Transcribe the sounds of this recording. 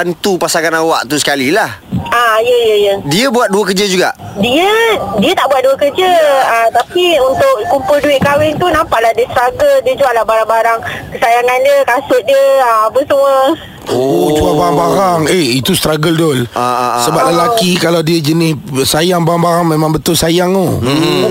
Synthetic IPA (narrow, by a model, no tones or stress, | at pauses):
ant̪upasaŋanawaʔt̪usə̥kalilahajəjəjədiəbuat̪̚duəkəd͡ʒəd͡ʒuɡaʔ | diədiət̪aʔbuat̪̚duəkəd͡ʒəəmt̪apiunt̪ʊʔkumpʊlduɪʔ̚kawɪŋt̪unampaʔlahdiəst̪ɾaɡəldiəd͡ʒuaʔlahbaɾaŋbaɾaŋkəsajaŋandəkasʊʔ̚diəəmapəsəmwə | od͡ʒuabaɾaŋbaɾaŋehit̪ust̪ɾaɡəldolsəbaʔ̚ləlakikalawdiəd͡ʒənɪssajaŋbaɾaŋbaɾaŋmẽmãŋbət̪ʊlsajaŋo